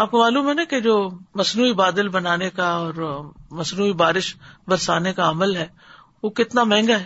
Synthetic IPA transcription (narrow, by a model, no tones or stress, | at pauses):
aːp̚komaːluːmɦɛnaked͡ʒoːmɐsnuːibaːd̪ɪlbɐnaːnekaɔːɾmɐsnuːibaːɾɪʃbɐɾsaːnekaɐməlɦɛː | ʋokɪt̪namɛ̃ːŋɡaɦɛ